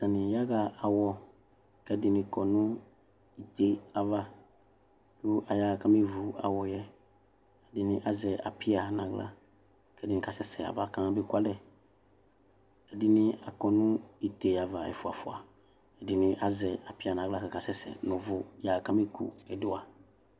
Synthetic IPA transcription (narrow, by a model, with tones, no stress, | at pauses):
tã˨nɪ̃˨ja˦ɡa˦a˨wɔ˨ | kɛ˦dɪ˨nɪ̃˨kɔ˨nʊ̃˦ | i˨t̪e˦a˨va˦ | kʊ˦ʔa˨ja˨kã˦me˦vu˨a̰˨wɔ˨jɛ˦ | ɛ˨dɪ˨nɪ̃˦ʔa˦zɛ˨ʔa̰˨pʰɪ˦a˨nã˨ɡla̰˦ | kɛ˦dɪ˨nɪ̃˨ka˨sɛ˦sɛ̰˨a̰˨va˦kã˦bɪ˦ku˦a˦lɛ˨ | ɛ˨dɪ˦nɪ̃˦a˨kɔ˨nʊ̃˦i˨t̪e˨ja˨va˨ɛ̰˨fʊ˨a̰˨fʊ˨a̰˨ | ɛ˨dɪ˨nɪ̃˦ʔa˦zɛ˨a˨pɪ˦a˨nã˨ɡla˦kɛ˨ka˨sɛ˦sɛ̰˨nʊ̃˨vʊ˨ja˨kã˦me˦kʰṵ˨ɛ˨dʊ˦a˨